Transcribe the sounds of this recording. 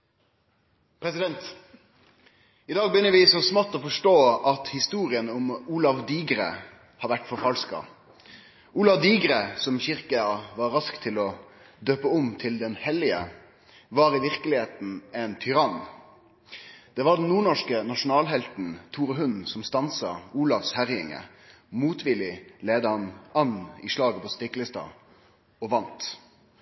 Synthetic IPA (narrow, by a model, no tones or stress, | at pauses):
pʰɾɛsɪd̪ɛnt̪ | ɪd̪ɑːɡ̚bəjʏnːəɾʋɪsɔsmɑt̪ːoːfɔʂʈoːɑt̪hɪst̪uːɾɪənʊmuːlɑʋd̪iːɡɾḛ | hɑːɾʋæʈːfɔɾfɑlskɑ̰ | uːlɑʋd̪iːɡɾəsɔmçɪʁkəʋɑɾɾɑskt̪ʰɪlɔ | d̪øːpəʊmt̪ʰɪld̪ɛnhɛlɪə̰ | ʋɑːɾɪʋɪʁkəlɪheːt̪n̩ɛnt̪ʰʏɾɑn | d̪̥ɛːʋɑɖɛn̩nuːɳɔʂkənɑʂʊnɑːlɦɛlt̪n̩t̪ʰuːɾəɦʉnsɔmst̪ɑnsɑuːlɑfshæʁjɪŋə̰ | muːt̪ʋɪlɪleːd̪əhɑnɑnɪʂlɑːɡəpʰɔst̪ɪklɪst̪ɑ̰ | ɔʋɑnt̪